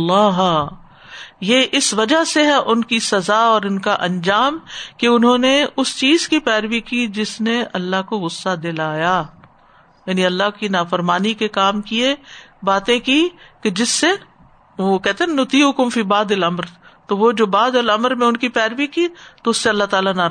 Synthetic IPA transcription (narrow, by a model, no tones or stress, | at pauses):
lːaːɦ | jeːʔɪsʋɐd͡ʒaɦseɦɛʔʊnkisɐzaɔːɾʊnkaʔɐ̃nd͡ʒaːmkeʊnɦõneʊst͡ʃiːzkipɛːɾʋikid͡ʒɪsneɐlːaɦkoɣʊsːad̪ɪlaːjaː | jaːniɐlːaɦkinaːfəɾmaːnikekaːmkiebaːt̪ẽkiked͡ʒɪsːe | ʋokɛɦt̪ẽɦɛ̃nʊt̪iːʊkʊmfiːbaːd̪ɪlɐmɾt̪oʋod͡ʒoːbaːd̪ɪlɐmɾmẽʊnkipɛːɾʋikit̪oʊsːeɐlːaɦt̪aːlanaɾ